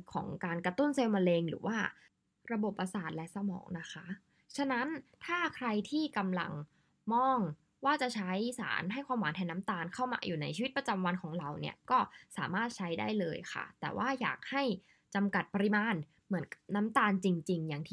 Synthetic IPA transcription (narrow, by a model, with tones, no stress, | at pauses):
kʰɔ̰ː˩˦ŋkaː˧nkɾa˧t̪u˥˩nseː˧wma˧leː˧ŋɾɯ̰ː˩˦wʔaː˥˩ | ɾa˧bo˨˩pːa˧saː˨˩t̪̚lɛ˦˥sa˧mɔ̰ː˩˦ŋna˦˥kʰa˦˥ʔ | t͡ɕʰa˦˧na˦˥nt̪ʰaː˥˩kʰɾa˧jt̪ʰiː˥˩ka˧mla̰˧ŋ | mɔː˧˥˩ŋ | waː˥˩t͡ɕa˨˩t͡ɕʰa˦˥jsa̰ː˩˦nɦa˥˩jkʰwaː˧mwaː˨˦nt̪ʰɛː˧na˦˥mt̪aː˧nkʰa˥˩wma̰ː˧jʔuː˨˩na˧jt͡ɕʰiː˧wi˦˥t̪̚pɾa˧t͡ɕa˧mwa˧nkʰɔː˩˦ŋɾa˧wni˥˩ɐkɔː˥˩saː˩˦maː˥˩t̪̚t͡ɕʰa˦˥jda̰ː˥˩jlɤː˧jkʰa̰˥˩t̪ɛː˨˩wʔaː˥˩ja̰ː˨˩k̚ha˥˩j | t͡ɕa˧mka˨˩t̪̚pa˧ɾi˧maː˧n | mɯ˩˦ənka˩p̚na˦˥mt̪aː˧nt͡ɕi˧ŋt͡ɕi˧ŋjaː˨˩ŋt̪ʰː